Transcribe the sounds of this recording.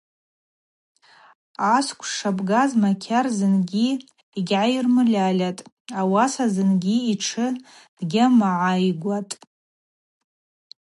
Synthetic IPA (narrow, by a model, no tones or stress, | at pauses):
askʷʰʂabɡazmakʲʰarzɨnɡʲi | iɡʲʕajirmɨlʲalʲatʼ | awasazɨnɡʲiiʈ͡ʂʰɨ | d̥ɡʲamaʕajɡʷatʼ